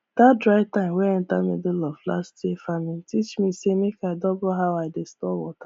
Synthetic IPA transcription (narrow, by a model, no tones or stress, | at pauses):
d̥adɾaɪtãɪ̃mweɛ̃n̩tamḭdolɔfla̰stefamiitit͡ʃmisemekaɪdɔbɔɦaʊaɪdestɔwɔ̰tḁ